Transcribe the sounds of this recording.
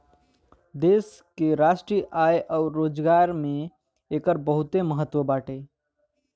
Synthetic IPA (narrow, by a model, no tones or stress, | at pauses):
d̪eːs | keɾaːʃʈɾiʔajʔɔʊɾːoːd͡ʒɡaːɾmẽ | eːkəɾbəɦʊt̪eməɦət̪ːwəbaːʈe